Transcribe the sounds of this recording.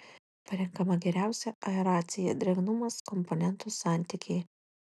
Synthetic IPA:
pɐɾʲɛŋˑkɐmɐɡʲɛɾʲæˑʊsʲɛʔɐɛɾɑːt̪sʲɪjɛd̪ʲɾʲɛɡnʊmɐskɔmpɔnʲɛnt̪usɑːˑnʲt̪ʲɪkʲeː

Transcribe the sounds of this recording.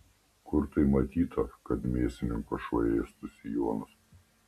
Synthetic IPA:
kʊɾt̪ɐɪmɐt̪ʲiːt̪ɐkɐt̪mʲeːsʲɪnʲɪŋkɔʃʋɐ̰eːjɛst̪ʊsʲɪjuɔnʊs

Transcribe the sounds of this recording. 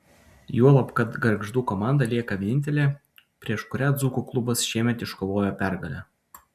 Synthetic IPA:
juɔlˠɐpkɐt̪ɡɐɾɡʒd̪uːkɔmɑˑnd̪ɐlʲiɛkɐʋʲɛnʲɪnʲt̪ʲɛlʲeː | pʲɾʲiɛʃkʊɾʲæd̪zuːkuklˠʊbɐsʃʲiɛmʲɛt̪ɪʃkoʋoːjoːpʲæɾɡɐlʲæ

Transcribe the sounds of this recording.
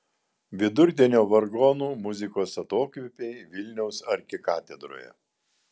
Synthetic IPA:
ʋʲɪd̪ʊɾʲd̪ʲɛnʲoːʋɐɾɡɔnuːmʊzʲɪkoːsɐt̪oːkʲʋʲɪpʲeɪʋʲɪlʲnʲɛʊsɐɾʲkʲɪkɑːt̪ʲɛd̪ɾo̰ːjɛ̰

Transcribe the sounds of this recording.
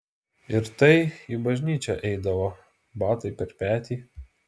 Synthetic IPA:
ɪɾt̪ɐɪibɐʒʲnʲiːt͡ʃʲɛʔɛɪd̪ɐʋoː | bɑːt̪ɐɪpʲɛɾpʲæːt̪ʲiː

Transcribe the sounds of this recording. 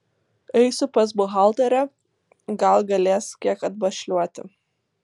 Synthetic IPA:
ɛɪsʲʊpɐs̬bʊɦɐˑlˠt̪ɐɾʲɛ | ɡɐlˠɡɐlʲeːskʲiɛkɐd̪̚bɐʃʲlʲuɔt̪ʲɪ̰

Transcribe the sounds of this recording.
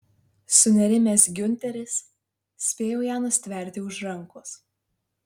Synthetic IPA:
sʊnʲɛɾʲɪmʲeːsɡʲʊnʲt̪ʲɛɾʲɪs | sʲpʲeːjoːjaːnʊsʲt̪ʲʋʲɛˑɾʲt̪ʲɪʊʒɾɐŋˑkʊs

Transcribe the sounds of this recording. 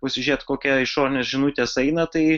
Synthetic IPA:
pɐsʲɪʒʲiɛt̪koːkʲɛɪʃoːɾʲɪnʲeːsʒʲɪnut̪ʲeːsɐɪnɐt̪ɐɪ

